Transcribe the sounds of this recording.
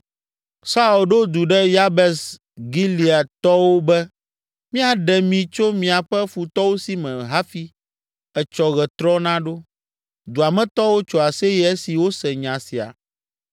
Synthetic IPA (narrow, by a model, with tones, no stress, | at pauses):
sa˦u˨lɖo˦d̪u˨ɖɛ˦ja˦bɛ˨s | ɡi˦li˨a˨t̪ɔ˦wo˦bɛ˦ | mĩ˦a˨ɖɛ˨mĩ˨t͡ʃo˦mĩ˨a˨ɸɛ˦fu˨t̪ɔ˦wo˦si˦mɛ̃˨ɦa˦fi˦ | ɛ˨t͡ʃɔ˨ɣɛ˨t̪ɾɔ˦nã˦ɖo˦ | d̪u˨a˨mɛ̃˦t̪ɔ˦wo˦t͡ʃɔ˨a˨sɛ˦jɛ˦ɛ˦si˨wo˦sɛ˨ɲã˨si˨a̰˨